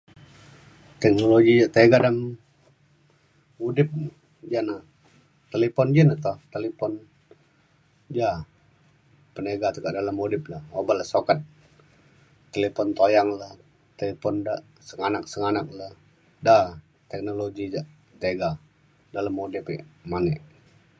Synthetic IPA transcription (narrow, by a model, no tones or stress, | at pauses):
t̪ɛk̚noloɡid͡ʒaʔt̪eɡadam | udɪp̚ | d͡ʒanah | t̪elepɔnd͡ʒanaht̪ɔht̪elepɔn | d͡ʒa | pəneɡat̪ukaʔdalamudɪp̚lahobalahsokat̪̚ | elepɔnt̪ojaŋlah | t̪elepɔndaʔ | səŋanak̚səŋanak̚la | da | t̪ɛk̚noloɡid͡ʒaʔ | t̪eɡa | daləmudɪpɪ̰manɛʔ